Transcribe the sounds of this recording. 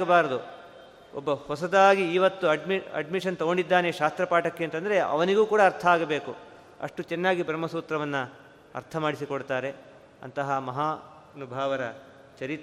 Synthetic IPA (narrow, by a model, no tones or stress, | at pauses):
ɡɐbaːɾɐd̪u | ɔ̰bːɐhɔsɐd̪aːɡiːʋɐt̪ːuɐɖmiɐ̰ɖmiʂɐnt̪ɐɡoɳɖid̪ːaːneʃaːst̪ɾɐpaːʈɐkːeːnt̪ɐnd̪ɐɾe̞ʔɐ̰ʋɐniɡuːkuːɽɐːɾt̪ʰɐaːɡɐbe̞ːku | ɐ̰ʂʈut͡ʃɛnːaːɡibʱɾɐmːɐsuːt̪ɾɐʋɐnːu | ɐ̰ɾt̪ʰɐmaːɽisikoɽt̪aːɾe̞ | ɐ̰nt̪ɐɦɐmɐɦaː | nubʱaːʋɐɾɐ̰ | t͡ʃɐɾit̪ː